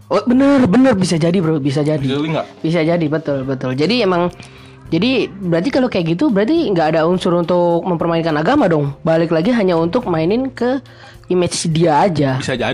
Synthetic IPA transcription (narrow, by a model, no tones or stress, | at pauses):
obənərbənərbis̬ad͡ʒadibəɾobis̬ad͡ʒadiŋbis̬ad͡ʒadibət̪ʊlbət̪ʊld͡ʒadiemaŋ | d͡ʒadibəɾart̪ikalokajakɡit̪ubəɾart̪iŋɡaːdaunsʊɾunt̪ʊk̚məmpərmaɪnkanaɡamadɔŋbalɪklaɡiɦaɲaunt̪ʊk̚mainɪnkə | imɪt͡ʃsidiaːd͡ʒaa